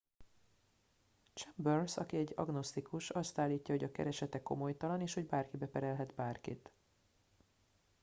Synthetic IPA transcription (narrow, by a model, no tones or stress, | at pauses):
t͡ʃɛmbørsɒ̰kiɛɟːɒ̰ɡno̞st̪ikuʃɒst̪aːlːiːcːɒɦoɟɒkɛ̰ɾɛʃɛt̪ɛko̞̰mo̞jt̪ɒlɒneːʃho̞ɟbaːrkibɛpɛɾɛlɦɛd̪baːrkḭt̪